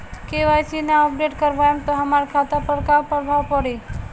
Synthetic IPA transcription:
keʋajsinaɔpɖeʈkəɾbajumt̪oɦəmaɾkʰat̪apəɾkapəɾbʱaʋpɔɽi

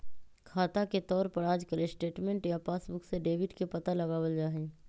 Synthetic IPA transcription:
kʰaːt̪aket̪ɔːɾpɐɾaːd͡ʒkəɾesʈeːʈmẽɳʈjapaːsbʊkseɖeːʋɪʈkepɐt̪alɐɡaːwəld͡ʒaːɦẽː

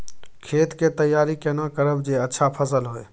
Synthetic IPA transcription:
kʰeːt̪ket̪əjːaːɾikenãkəɾəbd͡ʒeɐtːʃʰapʰəsəlɦoḛː

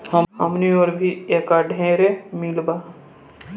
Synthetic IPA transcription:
həhə̰mnĩoːɾbʱiekaɖɦẽɾemilbaː

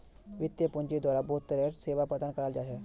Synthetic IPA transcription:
ʋit̪jəpuɲd͡ʑid̪ʋaɾabʱot̪ːəɾeɾseʋapəd̪ankəɾald͡zaɦe

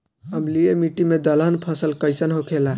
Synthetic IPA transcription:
əmliemiʈimed̪əlɦənpʰəsəlkəɪsənɦokʰela

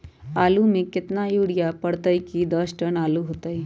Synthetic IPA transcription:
aːlumẽkɪt̪najuːɽijapəɽt̪əikid̪əsʈənaːluɦoːt̪ai

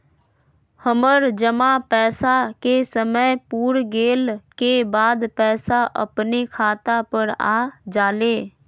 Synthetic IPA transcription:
həməɾd͡ʒəmapɛːsakesəməpuːɾɡeːlkebaːd̪pɛːsaʔə̰pnekʰaːt̪apəɾa̰ːd͡ʒaːleː

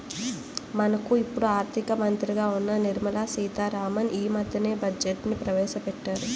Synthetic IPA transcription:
mɐnɐkuipːuɽuaːɾt̪ʰikɐmɐnt̪ɾiɡaːunːɐniɾmɐlaːsiːt̪aːɾaːmɐniːmɐd̪ʱjɐne̞ːbɐd͡ʒeʈnipɾɐʋɛːʃɐpɛʈːaːɾu

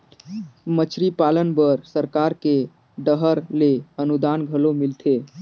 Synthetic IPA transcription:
mət͡ʃʰɾipalənbəɾsəɾkaɾke | ɖəɦəɾleənud̪anɡʱəlomilt̪ʰe

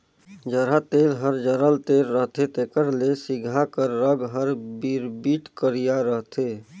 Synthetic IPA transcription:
d͡ʒəɾat̪eːlɦəɾd͡ʒəɾəlt̪eːlɾəɦt̪ʰet̪ekəɾlesiɡʱakəɾːəɡɦəɾbiɾbiːʈkəɾijaɾəɦt̪ʰe

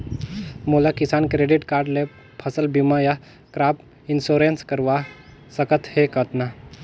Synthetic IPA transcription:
mulakisaːnkɾeɖiʈkaɾɖle | pʰəsəlbimaja | kɾaːp | insoɾenskəɾʋa | səkət̪hekət̪na

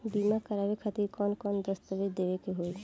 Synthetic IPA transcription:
bimakəɾabekʰat̪iɾkɔnkɔnd̪əst̪əʋed̪ebekeɦoe

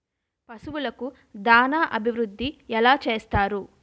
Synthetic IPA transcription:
pɐsuʋulɐku | d̪aːnaːʔɐbʱiʋɾud̪ʱːiɛlaːt͡ʃe̞ːst̪aːɾu

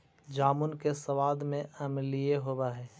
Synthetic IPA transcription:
d͡ʒaːmʊnkesəʋaːd̪mẽʔɐmlijeɦoːbaɦɛː

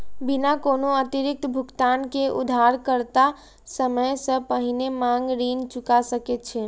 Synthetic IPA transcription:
binakonoət̪iɾɪk̚t̪bʱukt̪ankeʔṵd̪ʱaɾkəɾt̪a | səməjsə̃pəɦinemaŋɡɾint͡ʃukasəket̪̚t͡ʃʰɛ

